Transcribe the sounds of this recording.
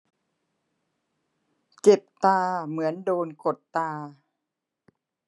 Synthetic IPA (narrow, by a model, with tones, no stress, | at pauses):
t͡ɕe˨˩p̚t̪aː˧mɯ˩˦əndoː˧nko˨˩t̪ːaː˧